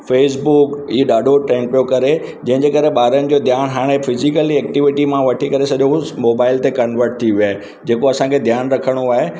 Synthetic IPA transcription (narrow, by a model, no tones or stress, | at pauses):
feːs̬bukiːɗaːɖʱoʈɾɛ̃ːŋk̚pijokɐɾe | d͡ʑɐ̃ɦɪ̃ɲd͡ʑeːkɐɾeɓaːɾənɪ̆d͡ʑoːd̪ʱjaːñɦaːɽ̃efɪzɪkəliɛːk̚ʈɪʋɪʈimãʋɐʈʰikɐɾesɐʄomoːbaːɪlt̪ekɐnʋəɾʈ̚t̪ʰiʋiaːɦe | d͡ʑeːkoɐsãkʰed̪ʱjaːnɾɐkʰəɽ̃oaːɦe